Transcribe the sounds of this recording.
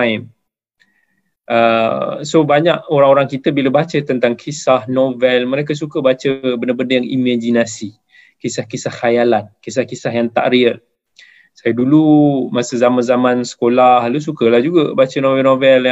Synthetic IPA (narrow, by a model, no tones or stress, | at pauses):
im | ʔəsobaɲaʔ̚oɾaŋoɾaŋkit̪əbiləbat͡ʃət̪ənt̪aŋkʰisahnovɛlmə̃ɾekəs̬ukəbat͡ʃəbəndabəndəjaŋḭmad͡ʒinasi | kisahkisahkajalankisahkisaɦjaŋt̪a̰ʔɾiə | sajədulumasəzamanzamãnsə̥kolahlus̬ukəlahd͡ʒuɡəbat͡ʃənovɛnovɛlj